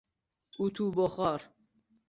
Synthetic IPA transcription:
ut̪ʰubɔχaɾ

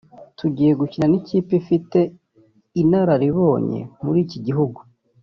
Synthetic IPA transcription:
tʰuɟiːje̞ɡuciɾaniciːpifite̞ | inaɾaɾiβo̞ːɲḛmuɾiːciɟiɦuɡu

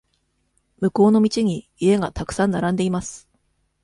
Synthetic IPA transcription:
mɯ̟ko̞ːno̞mʲit͡ɕiɲ̟i | ie̞ɡat̪akɯ̟̥sãnːaɾãnd̪e̞imasɨ̥

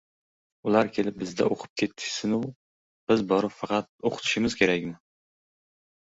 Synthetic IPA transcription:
ʊlˠaɾkʲʰe̞lɪp̚bɪzd̪a̰ʔoqʰɨ̥p̚kʲʰe̞t̪ʰːɪ̥ʃsɪnʊ | b̥ɪzbɒɾɨpfɑqʰɑt̪̚oqʰʊ̥t̪ʰɪ̥ʃɪmɪz̥kʲʰe̞ɾakʲnɪ

